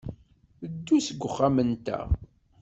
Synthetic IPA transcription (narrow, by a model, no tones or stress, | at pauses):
əd̪ːusəɡʷːəχːamənt̪æ̰